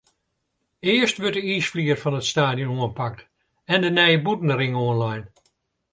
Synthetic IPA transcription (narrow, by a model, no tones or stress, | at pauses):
ɪːəstʋøtəisfliːərfɔnətstaːdjonuənpak̚t | ɛndənɛjəbutn̩əɾɪŋoənlajn